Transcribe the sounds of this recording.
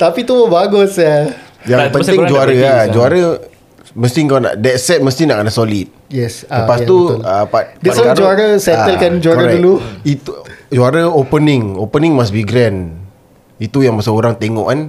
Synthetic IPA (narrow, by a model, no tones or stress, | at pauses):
t̪apit̪uməbaɡʊsjajaŋpənɪŋd͡ʒuaɾəad͡ʒuaɾə | məst̪ɪŋkana̰ʔdɛt̪sɛt̪̚məst̪ɪnaʔkənasolit̪̚jɛsəpast̪uəpadɛasɔd͡ʒuaɾəsɛəlkand͡ʒuaɾəɾaduluit̪ud͡ʒuaɾəopənɪŋopənɪŋmasbiɡɾɛn | it̪ujaŋməsəoɾaŋt̪eŋɔ̰ʔkan